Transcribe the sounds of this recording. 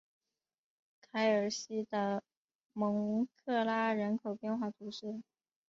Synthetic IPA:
kʰa˧˥ɪə˞˨˩ɕi˥d̪ə˨ | mɤ˧˥ŋ˧kʰɤ˥˩la˥ɻə˧˥nkʰo˨˩ʊpjɛ˥˧nxwa˥˩t̪ʰu˧˥ʂɻ̩˥˩

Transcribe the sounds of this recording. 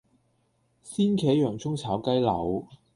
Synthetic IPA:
siː˥nkʰɛː˨˥jœː˨˩ŋt͡sʰʊ˥ŋt͡sʰaː˨˥wkɐ˥jlɐ̰˨˧w

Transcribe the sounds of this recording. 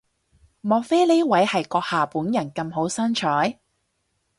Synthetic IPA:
mɔː˨k̚fe˥le˥wɐ˨˥jhɐ˨jkɔː˧k̚haː˨puː˨˥njɐ˨˩nkɐ˧mɦo˨˥wsɐ˥nt͡ʃʰɔː˨˥j

